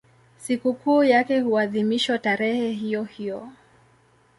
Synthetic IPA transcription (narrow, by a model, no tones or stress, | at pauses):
sikukuːjakɛhuaðimiʃwataɾɛhɛɦijɔhijɔ